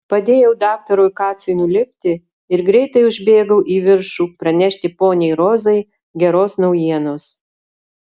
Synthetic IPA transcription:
pɐd̪ʲeːjɛʊd̪ɑːk̚t̪ɐɾʊɪkɑːt̪sʲonʲulʲɪpʲt̪ʲɪ | ɪɾɡɾʲɛɪt̪ɐɪʊʒʲbʲeːɡɐʊʔiːʋʲɪɾʃuːpɾɐnʲɛʃʲt̪ʲɪpoːnʲɛɪɾoːzɐɪ | ɡʲɛɾoːsnɐʊjiɛnoːs

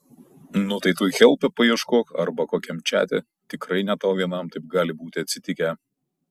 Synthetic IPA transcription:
nʊt̪ɐɪt̪uːjxʲɛlʲˠpʲɛpɐiɛʃkoːkɐ̰ɾbɐkoːkʲɛmʲt͡ʃʲæ̰ːt̪ʲɛ̰ | t̪ʲɪkɾɐɪnʲɛt̪oːʋʲiɛnɐmt̪ɐɪp̚ɡɑːlʲɪbuːt̪ʲɪɐt̪ʲsʲɪt̪ʲɪkʲɛ

